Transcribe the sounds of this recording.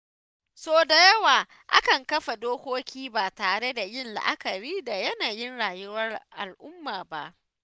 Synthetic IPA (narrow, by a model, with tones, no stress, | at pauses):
soː˦da˨jɐ˦waː˨ | ʔa̰˦kɐ˨ŋkɐ˦ɸa˨doː˦kʷoː˦kʲiː˦baː˨taː˨ɽe˦da˨jɪ˦nla̰˦ʔa̰˦kɐ˨ɾiː˦da˨jɐ˦naː˨jɪ˦nɽaː˨jʊ˦wɐ˦rʔa˨lʔʊ˦mːaː˨ba̰˦ʔ